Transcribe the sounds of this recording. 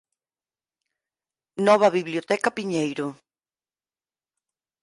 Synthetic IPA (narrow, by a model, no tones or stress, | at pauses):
nɔβ̞ɐβiβljiot̪ɛkɐpiɲejɾʊ